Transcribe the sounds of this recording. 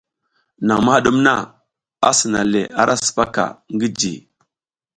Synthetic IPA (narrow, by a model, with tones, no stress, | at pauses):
na˨ŋma˦ha˦ɗu˦mna˦˨ | a˦si˨na˨le˨a˦ɾʔa˦su̥˨pa˦ka̰˨ŋɡi˦d͡ʒḭ˨